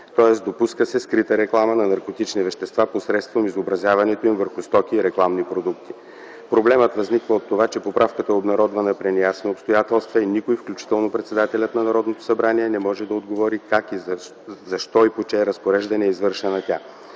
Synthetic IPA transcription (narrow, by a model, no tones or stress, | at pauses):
t̪ɔɛsd̪opuskəsɛskɾit̪əɾɛklˠamənɐnɐɾkot̪it͡ʃnivɛʃt̪ɛst̪vaposɾɛt̪st̪vomizobɾɐzʲjavɐnɛt̪oimvəɾxust̪ɔkiːɾɛklˠamnipɾod̪ukt̪i̥ | pɾoblɛmət̪vɐznikvəot̪ːovat͡ʃɛpopɾafkət̪əobnɐɾɔd̪vɐnɐpɾɛnijasnoopst̪ojat̪ɛlˠst̪vəinikoifklʲut͡ʃi̥t̪ɛlˠnopɾɛt̪sɛd̪at̪ɛlʲət̪nɐnɐɾɔd̪not̪o̥sɐbɾaniɛnɛmɔʒɛd̪ɐod̪ɡovɔɾikakiz | zɐʃt̪ɔipot͡ʃɛɾɐspoɾɛʒd̪ɐnɛizvɤɾʃɛnɐt̪ʲa